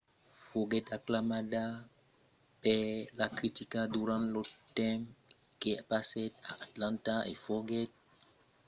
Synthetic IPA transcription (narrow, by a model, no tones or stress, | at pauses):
foɡɛtaklamada | pɛlakɾitikaduɾãntlotɛ̃m | keapasɛta̰ʔatlãntaḛfɔɡɛt̚